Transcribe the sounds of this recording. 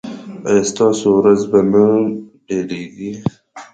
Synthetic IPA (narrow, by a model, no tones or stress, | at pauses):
ajst̪ɑːsowɾazbanaɖeleɡi